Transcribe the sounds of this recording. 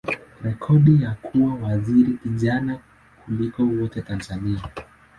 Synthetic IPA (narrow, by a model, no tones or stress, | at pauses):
ɾɛkʰɔɗijakʰuwawaziɾikiʄana | kulikɔwɔtɛtanzania